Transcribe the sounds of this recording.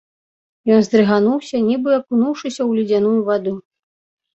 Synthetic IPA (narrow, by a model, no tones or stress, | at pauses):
jɔnzd̪ɾɨɣanuwsʲɐnʲibɨɐpunuwʂɨsʲɐwlʲid͡zʲanujuvad̪u